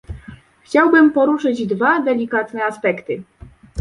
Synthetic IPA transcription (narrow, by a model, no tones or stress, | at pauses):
xt͡ɕawbɘmpɔɾuʂɘd͡ʑd̪vad̪ɛlʲikat̪nɛaspɛkt̪ɘ